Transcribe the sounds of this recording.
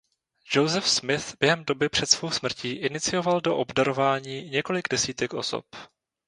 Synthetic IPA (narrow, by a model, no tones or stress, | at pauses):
ʒowzɛfsmɪθb̥jɛɦɛmdo̞bɪpr̝̥ɛt̪sv̥owsmr̩ciːʔɪnɪt͡sɪjo̞valdo̞ʔobdaɾo̞vaːɲiːɲɛko̞lɪɡdɛsiːt̪ɛkʔo̞̰so̰p